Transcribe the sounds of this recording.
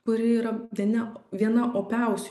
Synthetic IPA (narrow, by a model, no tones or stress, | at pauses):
kʊɾʲɪiːɾɐʋʲiɛnʲɛʋʲiɛnɐʔoːpʲɛˑʊsʲ